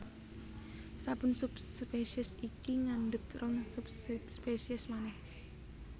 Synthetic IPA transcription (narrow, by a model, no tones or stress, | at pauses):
sapʊnsupspesiɛsikiŋanɖət̪rɔŋsupsspesiɛsmanɛh